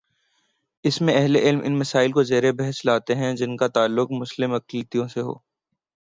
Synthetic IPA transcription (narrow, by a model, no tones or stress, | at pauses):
ɪsmẽɛɦleʔɪlmʔɪ̰nmːɐsaːɪlkozeːɾebɛɦɛslaːt̪eɦɛ̃d͡ʒɪnkat̪aːlːʊkmʊslɪmɐklit̪ijõseɦo̰ː